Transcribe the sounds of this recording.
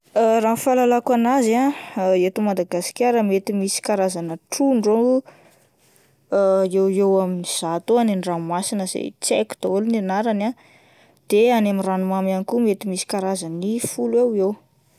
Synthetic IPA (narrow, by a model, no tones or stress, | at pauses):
əranfalalakanazaet̪umad̪aɡasi̥kʲaɾəmet̪imisi̥kaɾazanəʈ͡ʂuɳɖ͡ʐo | ewewaminiz̥at̪oaneniramasinəz̥ḛt͡sḛku̥d̪̥oolninaɾana | d̪̥eanamiranumamanikumet̪imisi̥kaɾazanifulewew